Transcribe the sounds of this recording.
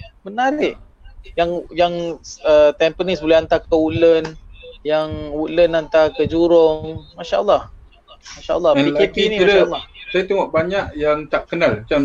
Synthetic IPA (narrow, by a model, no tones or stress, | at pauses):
bənaɾɪʔ | jaŋjaŋət̪ɛmpənisbolɛhant̪akəuʔlənjaŋuʔlənant̪akəd͡ʒuɾʊŋmaʃaʔəlːɑh | maʃaʔə̰lːɑhikepinĩmiaɾaaəlːɑhsajat̪əŋoʔbaɲaʔjaŋt̪aʔkənalmat͡ʃam